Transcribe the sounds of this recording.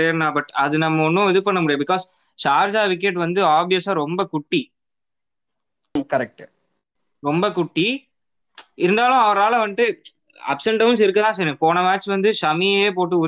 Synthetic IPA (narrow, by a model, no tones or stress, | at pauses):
eɾnãːbɐʈɐðɯnɐmːɐɔnːʊ̃ɛðɯpɐɳːɐmʊɽɪjãːbɪkɔːs | saːɾsaːʋɪk̬ːɛʈːʋɐnd̪ɯaːbijɐsaːɾɔmbɐkʊʈːi | kɐɾɛk̚ʈ | ɾɔmbɐkʊʈːi | ɪɾɯnd̪aːlʊ̃ɐʋɐɾaːlɐʋɐnd̪ɯ | ɐ̰psɐɳʈɐʋnsɪɾɯk̬ːɐðãːsɐɾẽpoːnɐmaːt͡ʃʋɐnd̪ɯsɐmieːp̬oːʈːɯʊ